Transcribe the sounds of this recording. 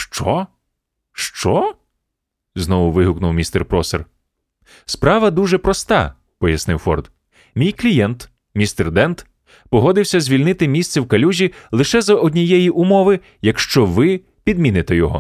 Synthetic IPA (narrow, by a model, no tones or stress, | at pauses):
ʃt͡ʃɔ | ʃt͡ʃɔ | znɔʋʊʋɪɦʊknʊwmʲist̪ɛrpɾɔser | spɾɑʋɐd̪uʒɛpɾɔst̪ɑ̰ | pɔjɐsnɪwfɔ̰rd̪ | mʲijklʲijɛnt̪ | mʲist̪ɛrd̪ɛnt̪ | pɔɦɔd̪ɪwsʲɐzʲʋʲilʲnɪt̪ɪmʲisʲt̪sɛwkɐlʲuʒʲilˠɪʃɛzɐʔɔdʲnʲijɛjiʔʊmɔʋɪ | jɐkʃt͡ʃɔʋɪ | pʲid̪̚mʲinɪt̪ɛjɔɦɔ̰